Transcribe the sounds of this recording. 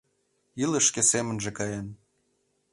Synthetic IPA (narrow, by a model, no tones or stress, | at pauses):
ilə̆ʃkesemənʒekɑjen